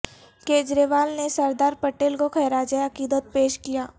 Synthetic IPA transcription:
keːd͡ʒɾeʋaːlnesɐɾd̪aːɾpɐʈeːlkokʰɛːɾaːd͡ʒeɐkiːd̪ət̪̚peːʃkijaː

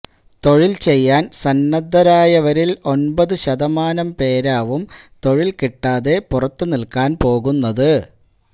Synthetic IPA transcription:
t̪o̞ɻilt͡ɕe̞jːaːnsɐnːɐd̪ʱːɐɾaːjɐʋɐɾilo̞nbɐðɨɕɐðɐmaːnɐmpe̞ːɾaːʋumt̪o̞ɻilkiʈːaːðe̞purɐt̪ːunilkaːnpo̞ːɣunːɐðɨ

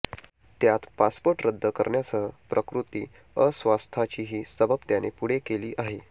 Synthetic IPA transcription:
t̪jat̪paspoɾʈɾəd̪ʱːəkə̰ɾɳjasəpɾʔəkɾut̪ḭː | əsʋast̪ʰat͡ɕiːɦiːsəbəbt̪janepuɽ̤ekeliːʔaɦe

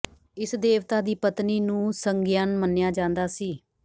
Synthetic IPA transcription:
ɪsd̪eːʋt̪aːd̪iːpət̪niːnũːsəŋɡɪjaːnmənːjaːd͡ʒãːnd̪aːsiː

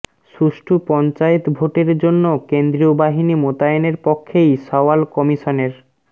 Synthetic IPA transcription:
ʃuʃʈʰupɔnt͡ɕaet̪bʱoʈeɾd͡ʑonːokend̪ɾiobaɦinimot̪aeneɾpɔkʰːejʃɔwalkɔmiʃɔneɾ

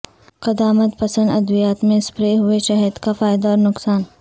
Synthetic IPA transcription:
qɐd̪aːmət̪pɐsə̃nd̪ɐd̪ʋijaːt̪mẽspɾeːɦʊeʃɐɦəd̪kafaːjd̪aɔːɾnʊqsaːn

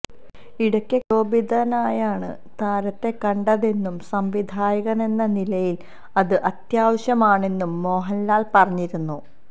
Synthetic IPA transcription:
iɽɐkʲːɨko̞ːbid̪ʱɐnaːjaːɳɨ̰ | t̪aːɾɐt̪ːe̞kɐɳɖɐðe̞nːumsɐmʋid̪ʱaːjɐɣɐne̞nːɐnilɐjil | ɐðɨʔɐt̪jaːʋɐɕjɐmaːɳe̞nːumːo̞ːɦɐlːaːlpɐrɐɲːiɾunːu

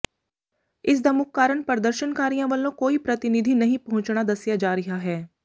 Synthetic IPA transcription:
ɪs̬d̪aːmʊkkaːɾəɳpəɾəd̪əɾʃənkaːɾijãːʋəlːõːkoːiːpɾət̪ɪnɪd̪ʱiːnɐɦĩːpəɦʊ̃ɲt͡ʃɳad̪əsjad͡ʒaːɾɪɦaɦɛː

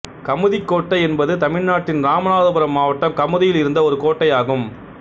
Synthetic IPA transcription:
kɐmɯðɪkːoːʈːɐɪɛnbɐðɯt̪ɐmɪɻnaːʈːɪnɾaːmɐnaːðɯbɐɾɐmːaːʋɐʈːɐmkɐmɯðɪjɪlɪɾɯnd̪ɐɔɾɯkoːʈːɐjaːɣɯm

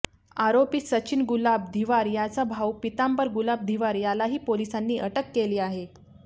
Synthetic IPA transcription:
aɾopiːsət͡ɕinɡulab̚d̪ʱiʋaɾjat͡sabʱawpit̪ampəɾɡulab̚d̪ʱiʋaɾjalaɦiːpolisanːiːʔəʈəkːeliːaɦe

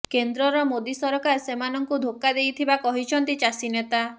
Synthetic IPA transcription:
kend̪ɾɔɾɔmod̪isɔɾɔkasemanɔŋkud̪ʱokːad̪ejt̪ʰibakɔɦit͡ʃʰɔnt̪it͡ʃasinet̪a

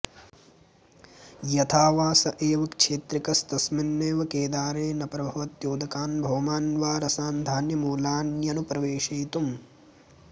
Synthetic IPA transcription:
jɐt̪ʰaːʋaːsɐʔeːʋɐkʃʰeːt̪ɾikɐst̪ɐsminːeːʋɐkeːd̪aːɾeːnɐpɾɐbʱɐʋɐt̪joːd̪ʱɐkaːnbʱɐʋɐmaːnʋaːɾɐsaːnd̪ʱaːnjɐmuːlaːnjɐnupɾɐʋeːʃɐjt̪um

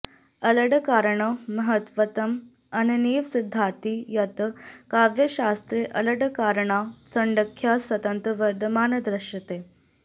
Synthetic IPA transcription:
ələɽkaːɾəɳəməɦət̪ʋət̪əm | ənəniːʋsid̪ʱːat̪iːjɐt̪kaʋjəɕast̪ɾeʔələɽəkaːɾəɳasəɳɖəkʰːjasʋɐt̪ənt̪ɾəʋəɾd̪ʱəmaːnəd̪ɾəɕjət̪e

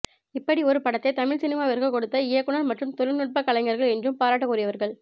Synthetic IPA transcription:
ɪpːɐɽiɔɾɯpɐɽɐt̪ːɐɪt̪ɐmɪɭsɪnɪmaːʋɪɾkɐkːɔɽɯt̪ːɐɪjɐkːɯɳɐlmɐʈrɯmt̪ɔlɪnʊʈ̚pɐkːɐlɐɪŋɡɐɾɣɐɭɛndrɯmpaːɾaːʈːɐkːuːɾɪjɐʋɐɾɣɐɭ

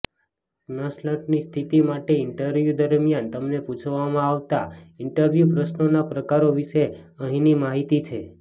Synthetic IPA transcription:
nəsləʈnist̪ʰit̪imaʈeɪɳʈəɾʋjud̪əɾmijant̪əmneput͡ʃʰʋamãaʋt̪aɪɳʈəɾʋjupɾəʃnonapɾəkaɾoʋiʃe | əɦĩnimaɦit̪it͡ʃʰe

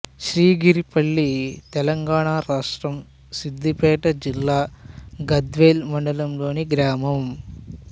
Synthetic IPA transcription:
ʃɾiːɡiɾipɐɭːit̪ɛlɐŋɡaːɳaːɾaːʂʈɾɐm | sid̪ːipɛːʈɐd͡ʒilːaːɡɐd̪ʋeːlmɐɳɖɐlɐmlo̞ːniɡɾaːmɐm

